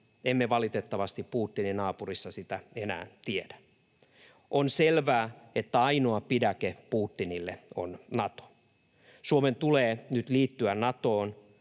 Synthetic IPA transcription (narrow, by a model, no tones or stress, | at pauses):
emːeʋɑlit̪et̪ːɑʋɑst̪ippuːt̪ːininɑːpurisːɑsit̪æenæ̰ːnt̪iedæ̥ | ʔonselʋæːet̪ːæɑinoɑpidækepuːt̪ːinilːḛo̰nnɑt̪o̥ | suoment̪uleːnyt̪liːt̪ːyænnɑt̪oːn